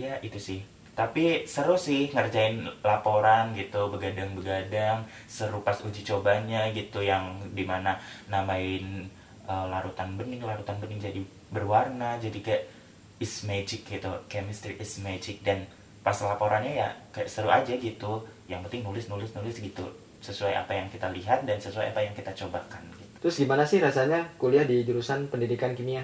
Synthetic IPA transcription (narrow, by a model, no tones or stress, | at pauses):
jaʔit̪usɪh | t̪apisəɾʊsɪhŋərd͡ʒaɪnlapoɾanɡit̪ubəɡadaŋbəɡadaŋ | səɾupasud͡ʒit͡ʃobaɲaɡit̪ujaŋdimananamaɪn | əlaɾut̪anbənɪŋlaɾut̪anbənɪŋd͡ʒadi | bərwarnad͡ʒadikaja | ɪsmed͡ʒɪkːit̪ukɛmist̪ɾiʔismed͡ʒɪk̚dan | pasalapoɾʔanɲaja̰kajaʔst̪əɾuʔa̰d͡ʒaɡit̪ujaŋpənt̪ɪŋnulɪsnulɪsnulɪsɡit̪ṵ | səsuaja̰pajaŋkit̪aliɦat̪̚dansəsuajapajaŋkit̪at͡ʃobakanɡit̪u̥t̪ɾʊsɡimanasɪhɾasaɲakuliahdid͡ʒuɾusanpəndidikankimia